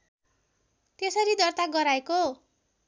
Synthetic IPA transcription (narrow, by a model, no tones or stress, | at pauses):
t̪esʌɾid̪ʌrt̪aɡʌɾaeko